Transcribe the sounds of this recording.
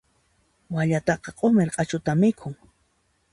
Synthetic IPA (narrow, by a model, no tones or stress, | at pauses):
waʎat̪ɑqɑqʼomeɾqʼɑt͡ʃʊt̪amɪkʰʊŋ